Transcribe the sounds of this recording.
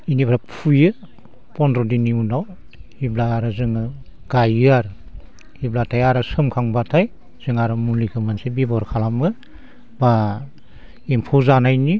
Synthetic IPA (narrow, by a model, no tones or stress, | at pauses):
inipʰɾapʰujɯ | pɔndɾɔdiniunaw | hiblaːɾɯzɯŋɯ | ɡ̥ajaɾ | hiblatʰajaɾɯsɯmkʰaŋbatʰaj | z̥ɯŋaɾɯmulikʰɯmansebibɔɾkʰalamɯ | ba | empʰuzanajni